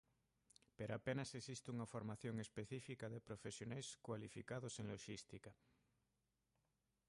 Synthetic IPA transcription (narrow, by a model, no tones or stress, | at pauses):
peɾoapenasesist̪uŋafoɾmaθjoŋespeθifikaðepɾofesjonajskwalifikaðoseŋloʃist̪ika